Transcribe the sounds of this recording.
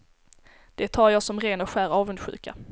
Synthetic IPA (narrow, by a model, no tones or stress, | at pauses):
d̪̥ɛt̪ʰɑːɾjɑːsɔmɾeːnɔɧæːɾɑːvɵnd̪ɧʉ̰ːka̰